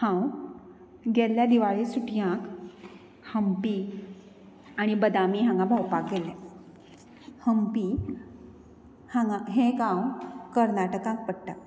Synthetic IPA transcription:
hãw | ɡeljad̪iʋaɭesuʈʰjãk | həmpiː | aɽ̃ibəd̪amiɦãŋɡabʱawpak̚ɡʱelɛ | həmpi | hãɡaɦẽɡãwkəɾnaʈəkãk̚pəɽʈ̪a̰

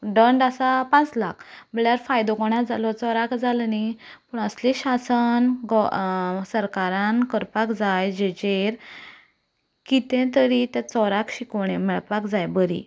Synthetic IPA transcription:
ɖəɳɖasapãt͡slakʰməɭjaɾfajd̪ɔɡɔɳ̃ad͡zalɔt͡sɔɾakd͡zalnipuɳəsleɕasənɡɔsəɾkaɾãnkəɾpakd͡zajd͡ʑed͡ʑeɾ | kit̪ẽt̪əɾit̪ãt͡sɔɾakɕikəɳɛ̃mɛɭpakd͡zajbəɾḭ

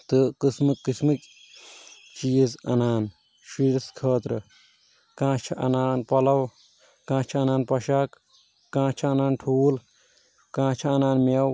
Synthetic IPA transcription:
t̪ɨkɨsmɨkːismɨk | t͡ʃiːzɐnaːn | ʃiɾskʰɐːt̪ɾɨ | kãːt͡ʃʰɐʔɐ̰naːnpɐlɐw | kãːt͡ʃʰɐɐnaːnpɐʃaːkː | ãːt͡ʃʰɐɐnaːnʈʰuːl | kãːt͡ʃʰɐɐnaːnmew

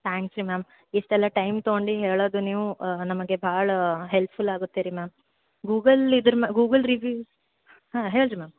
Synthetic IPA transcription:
t̪ʰaːŋksɾimaːm | iʂʈɛlːɐʈɐjmt̪oɡoɳɖiɦeːɭoːd̪uniːʋunɐmɐɡe̞bʱaːɭɐɦelppʰulaːɡut̪ːiːɾimaːm | ɡuːɡɐlid̪ɐɾmɐɡuːɡɐlɾiʋjuːs | hãːɦeːɭɾimaːm

